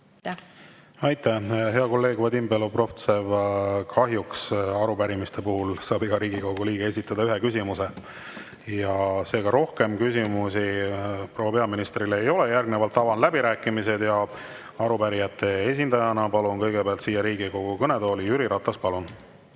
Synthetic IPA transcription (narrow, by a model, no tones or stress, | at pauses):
ɑjt̪ːæɦe̞ɑko̞lːe̞ːɡ̥vɑd̪imbelopro̞ft̪sevkʰɑɦjuksɑɾupæɾimist̪e̞puhulsɑːbiɡɑɾiːɡiko̞ɡ̥uliːɡee̞sʲit̪ːˑɑd̪ɑyɦekysʲimuse̞ | jɑse̞ːɡ̥ɑɾo̞hke̞mkysʲimusiprowːɑpeɑminist̪rileejo̞le̞jærɡnevɑlt̪ːɑvɑnlæbiɾæːkːˑimise̞d̪jɑ | ɑɾupæɾijɑt̪ːˑe̞e̞s̬ʲind̪ɑjɑnɑpɑlunkɤjɡ̥e̞beɑlt̪siːjɑɾiːɡiko̞ɡ̥ukɤned̪oːlijyɾiɾʔɑt̪ːˑɑspɑlun